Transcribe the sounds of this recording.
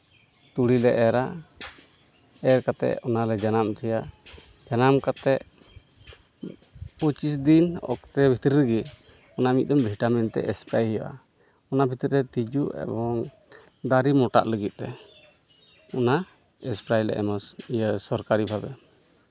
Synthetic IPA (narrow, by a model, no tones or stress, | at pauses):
t̪uɽilɛʔɛɾa | ɛɾkat̪ɛ̰ʔɔnalɛd͡ʒanamt̪ʰɛja | d͡ʒanamkat̪ɛʔ | pət͡ʃis̬d̪inɔ̰kt̪ɛbʱit̪ɾɾəɡi | ɔnamit̪̚d̪ɔmbʱiʈamɛnt̪ɛ̰ʔɛspɾajhɛjʔa̰ | ɔnabʱit̪ɾɛt̪id͡ʒuʔɛ̰bɔŋ | d̪aɾimɔʈa̰ʔləɡit̪̚ˀt̪ɛ | ɔna | ɛspɾajlɛ̰ʔɛ̰maəsɔɾkaɾibʰʱabɛ